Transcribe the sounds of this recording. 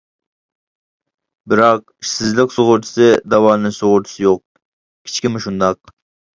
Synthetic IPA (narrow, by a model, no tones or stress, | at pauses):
bɪɾɑq̚ | ʃsɪzlɪkʲsoʁʊɾt̪ʰɨ̥sɨd̪ɑwɑːnɨsoʁʊɾt̪ʰɨ̥sɨjoq̚ | kʲʰi̥t͡ʃkʲimɪʃund̪ɑq̚